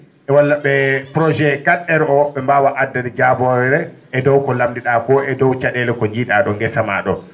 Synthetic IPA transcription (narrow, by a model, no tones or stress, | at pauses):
ʔɛwalːaɓɛpɾɔd͡ʒɛɡaɗːɛɾɛɔwɔɓːɛmbawaʔadːadɛd͡ʒabɔɾɛɾɛ | ʔɛdɔwkɔlamdiɗakɔɛdɔwt͡ʃaɗɛlɛkɔɲd͡ʒiɗaɗɔŋɡɛsama̰ɗɔ